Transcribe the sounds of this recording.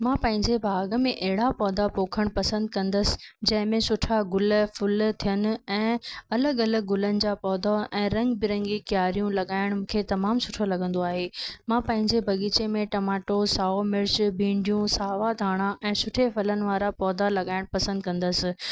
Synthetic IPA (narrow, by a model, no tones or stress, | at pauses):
mãːpɐ̃ɦɪ̃ɲd͡ʑebʱaːɡəmẽʔɐɦɪɽapɔːd̪ʱapoːkʰəɽ̃pɐsə̃nd̪̚kɐ̃nd̪əsɪ̥̆d͡ʑɐ̃ɦɪ̃mẽsʊʈʰaɡʊlfʊlt̪ʰijənɪ̆ɛ̃ːɐləɡɐləɡ̚ɡʊlənɪ̆d͡ʑaːpɔːd̪ʱaʔɛ̃ːɾɐ̃ŋɡbɪɾɐ̃ŋɡikjaːɾijũlɐɠaːɪɽ̃mũːkʰet̪ɐmaːmsʊʈʰolɐɠə̃nd̪oaːɦeːmãːpɐ̃ɦɪ̃ɲd͡ʑebʱɐɡiːt͡ɕemẽʈɐmaːʈosaːomɪɾd͡ʑbʱĩːɳɖijũsaːʋad̪ʱaːɽ̃aʔɛ̃ːsʊʈʰefɐlənɪ̆ʋaːɾapɔːd̪ʱalɐɠaːɪɽ̃pɐsə̃nd̪̚kɐ̃nd̪əsɪ̆